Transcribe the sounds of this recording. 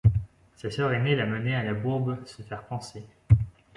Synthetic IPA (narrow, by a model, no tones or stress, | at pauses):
sasœʁenelamənealabuʁbsəfɛʁpɑ̃se